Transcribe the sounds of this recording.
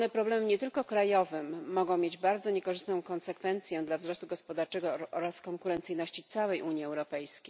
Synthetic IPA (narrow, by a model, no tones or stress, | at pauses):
nɛpɾɔblɛmɘɲɛt̪ɘlkɔkɾajɔvɘmːɔɡɔ̃w̃mʲjed͡ʑbaɾd̪zɔɲɛkɔʐɘst̪nɔ̃w̃kɔnsɛkfɛnt̪sʲjɛd̪lavzɾɔst̪uɡɔspɔd̪aɾt͡ʂɛɡɔɔɾaskɔŋkuɾɛnt̪sɘjnɔɕt͡ɕit̪sawɛjʔuɲjiɛwɾɔpɛjskʲej